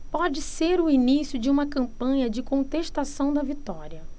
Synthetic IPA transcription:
pɔd͡ʒɪseɾʊinisjʊd͡ʒɪũmɐkɐ̃mpɐ̃ɲɐd͡ʒɪkõt̪eʃt̪asɐ̃w̃d̪ɐvit̪ɔɾiɐ

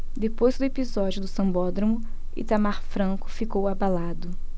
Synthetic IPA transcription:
d̪epojzd̪ʊepizɔd͡ʒiʊd̪ʊsɐ̃mbɔd̪ɾomʊ | ḭt̪amaɾfɾɐ̃ŋkʊ̥fikowabalad̪ʊ

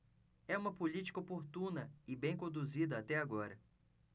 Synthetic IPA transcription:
ɛũmɐpolit͡ʃi̥kɐopoɾt̪ũnɐɪbẽj̃kõd̪uzid̪ɐat̪ɛaɡɔɾɐ

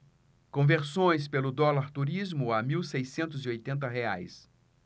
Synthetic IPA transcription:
kõveɾsõj̃spelʊd̪ɔlaɾt̪uɾizmʊamiwsejsẽnt̪ʊziojt̪ẽnt̪̬ɐɦea̰js

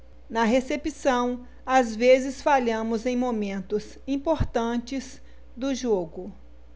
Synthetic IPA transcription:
nɐɦesepisɐ̃w̃ | azvezɪsfaʎɐ̃mʊzẽj̃momẽnt̪ʊz | ĩpoɾt̪ɐ̃t͡ʃɪz | d̪ʊʒoɡʊ

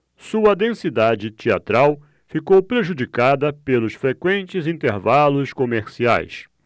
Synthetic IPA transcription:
suɐd̪ẽsid̪ad͡ʒɪt͡ʃia̰t̪ɾaw | fikowpɾeʒud͡ʒikad̪ɐpelʊsfɾekwẽnt͡ʃɪzĩnt̪eɾvalʊskomeɾsia̰js

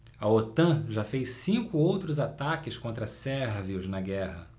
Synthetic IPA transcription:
ɐot̪ɐ̃ʒafejssĩkʊowt̪ɾʊzat̪akɪskõnt̪ɾɐsɛɾviʊznɐɡɛhɐ

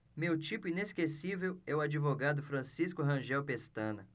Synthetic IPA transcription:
mewt͡ʃipʊineskesivewɛʊad͡ʒivoɡad̪ʊfɾɐ̃siskʊɦɐ̃ʒɛwpest̪ɐ̃nɐ

